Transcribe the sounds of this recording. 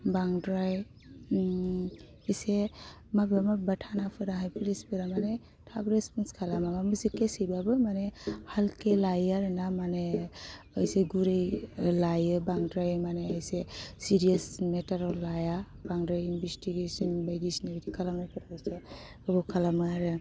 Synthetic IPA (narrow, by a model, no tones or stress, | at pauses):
baŋdɾaj | ise | mabamabatʰanapʰɯɾaɦajpʰilisbɯɾamane | tʰabɾespɔnskʰalamamamɯsikesijbabɯmanehalkelajaɾɯnamane | ɔjseɡuɾejlajɯbaŋdɾajmaneajsesiɾiasmetaɾɔlaja | baŋdɾajinbʱistiɡesɔnbajdisinebtʰikʰalamajpʰɯɾɔjse | ɯbawkʰalamɯɾɯ